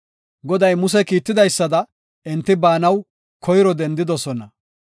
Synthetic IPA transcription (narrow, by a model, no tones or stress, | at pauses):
ɡɔd̪ɐjmʊs̬ɛkiːt̪ːɪd̪ɐjsːɐd̪ɐ | ɪnt̪ːɪbaːnɐw | kʰɔjɾɔd̪ɛnd̪ɪd̪ɔsɔnɐ